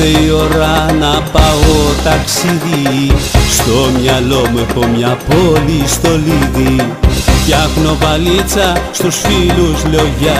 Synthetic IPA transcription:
eio̞ɾɐnɐpaot̪ɐksiði | st̪o̞mɲɐlo̞mexo̞mɲɐpolist̪o̞liðifcɐxno̞vɐlit͡sɐst̪usfiluzloʝɐ

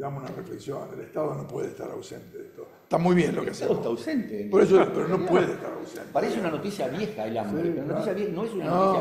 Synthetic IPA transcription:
eɣamosunarefleksjonnelet̪aðonopweðḛst̪a̰ɾa̰wsḛnt̪eðet̪o̥ | t̪amujβjenlokkeaseaðoesst̪awsent̪epoɾes̬opeɾonopweðet̪a̰ɾa̰wssḛntpaɾaesunanot̪isjaβjexaelambeunanot̪isjaβjenoesunanos

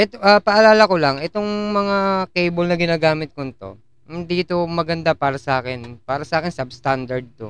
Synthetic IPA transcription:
ʔɛt̪oʔapɐʔɐlaːlɐkolaŋʔɛt̪o̞ŋmɐŋakejbolnɐɡɪnaːɡaːmɪt̪̚kont̪o̞̰ | ɪnd̪iːt̪o̞mɐɡɐnd̪apaːɾɐsɐʔaːkɪnpaːɾɐsɐʔaːkɪnsɐbst̪and̪ɐɹd̪̚t̪o

